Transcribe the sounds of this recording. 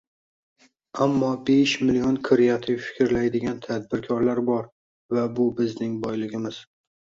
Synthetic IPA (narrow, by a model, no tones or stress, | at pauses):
amːɒbeʃmɪlijɒnkʰɪɾɪjat̪ʰɪfɪ̥kʲʰɪɾlajd̪ɪɡʲant̪ʰad̪̚bɪɾkʲʰɒɾlaɾbɒɾ | vabʊbɪznɪŋbɒjlɪɡʲɪmɪz̥